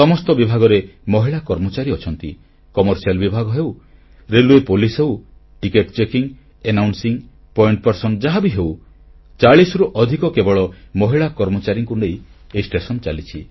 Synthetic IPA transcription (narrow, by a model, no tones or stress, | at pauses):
sɔmɔst̪ɔbibʱaɡɔɾemɔɦiɭakɔɾmɔt͡ʃaɾiɔt͡ʃʰɔnt̪i | kɔmɔɾsialbibʱaɡɔɦew | ɾeluepolisɦew | ʈikeʈt͡ʃekiŋ | enawnsiŋ | pɔjiɳʈ̚pɔɾsɔnd͡ʒaɦabiɦew | t͡ʃaɭisɾuʔɔd̪ʱikɔkebɔɭɔmɔɦiɭakɔɾmɔt͡ʃaɾiŋkunejeisʈesɔnt͡ʃalit͡ʃʰi